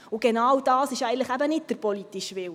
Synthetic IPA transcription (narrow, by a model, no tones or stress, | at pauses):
ʊɡɛnɑwd̥ɑːsɪʃɛɪɡəntləχæbənɪt̚d̥əɾpɔlit̪iʃʋɪw